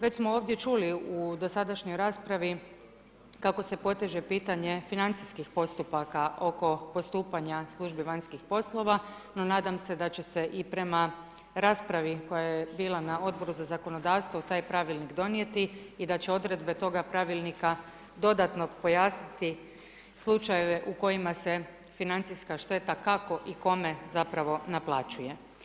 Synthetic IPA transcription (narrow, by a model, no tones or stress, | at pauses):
ʋet͡ɕsmooːʋd̪je̞t͡ʃuliud̪o̞sad̪aʃɲojɾaːspɾaʋi | kako̞se̞po̞t̪eʒe̞piːt̪aɲe̞finant̪siskixpo̞st̪upakaʔo̞ko̞po̞st̪uːpaɲaslˠuʒbiʋaɲskixpo̞slˠo̞ʋa | no̞naːd̪amse̞d̪at͡ɕe̞se̞ʔipɾe̞ma | ɾaːspɾaʋiko̞jajjebiːlˠanao̞d̪̚bo̞ɾuzazako̞no̞d̪aːʋst̪ʋot̪aːjpɾaʋilˠnikd̪o̞nije̞t̪iid̪at͡ɕe̞o̞d̪ɾe̞d̪be̞t̪o̞ɡapɾaʋilˠnika | d̪o̞d̪at̪no̞po̞jaːsnit̪i | slˠut͡ʃajeʋeʔuko̞jimasefinant̪sijskaʃt̪e̞t̪akako̞ʔiko̞me̞zapɾaʋo̞naplˠat͡ʃuje̞